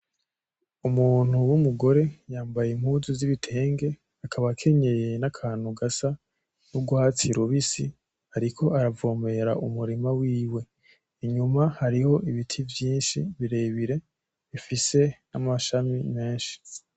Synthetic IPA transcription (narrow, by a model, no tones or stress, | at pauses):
umuːn̥uwumuɡo̞ɾe̞jaːmbajemhuzuziβitʰe̞ːŋɡe̞ | akʰaβakʰe̞ɲe̞je̞nakʰaːn̥huɡasa | nuɡuhat͡siɾuβisi | aɾikʰo̞aɾavo̞ːme̞ɾaʔumuɾimawiːwe̞ | iɲumahaɾiho̞ʔiβitʰivjiːnʃiβiɾe̞βiɾe̞ | βifise̞namaʃamime̞ːnʃi̥